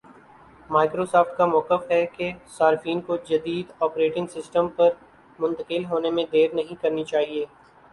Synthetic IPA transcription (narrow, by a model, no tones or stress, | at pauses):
maːɪkɾosɔːft̪kamɔːqəfɦɛkesaːɾɪfiːnkod͡ʒɐd̪iːd̪ɔːpɾeːʈɪ̃ŋɡsɪsʈə̃mpɐɾ | mʊ̃nt̪əkɪlɦoːnemẽd̪eːɾnɐɦĩkɐɾnit͡ʃaːɦieː